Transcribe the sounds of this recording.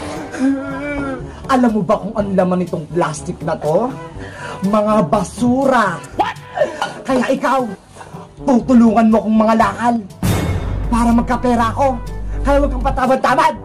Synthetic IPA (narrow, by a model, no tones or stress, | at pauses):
ʔɐlamːobɐkʊŋɐnlamanɪt̪oŋplaːst̪ɪk̚nɐt̪o̞ | mɐŋabɐsuːɾɐ | kɐjaʔɪkaw | t̪uːt̪ʊluːŋɐnmoɐkoŋmɐŋalaːkal | paːɾɐmɐɡ̚kɐpɛːɾɐʔɐko̞kɐjawɐɡ̚kaŋpɐt̪aːmɐd̪̚t̪aːmad̪̚